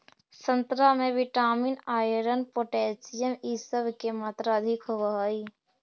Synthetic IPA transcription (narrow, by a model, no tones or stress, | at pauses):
sə̃nt̪ɾamẽʋɪʈaːminaːjɾənpoːʈɛːsijəmiːsəbʱkemaːt̪ɾaɐd̪ʱɪkɦoʋaɦaːiː